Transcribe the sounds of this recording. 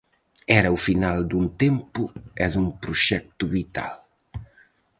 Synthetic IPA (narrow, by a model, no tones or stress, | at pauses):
ɛɾəufinald̪unt̪empuɛd̪umpɾuʃɛk̚t̪uβit̪a̰l